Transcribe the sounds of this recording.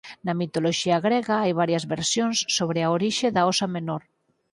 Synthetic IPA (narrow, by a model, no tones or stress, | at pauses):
nɐmit̪oloʃiaɣɾeɣaajβaɾjɐzβeɾsjonsːoβɾeaoɾiʃeðaosamenoɾ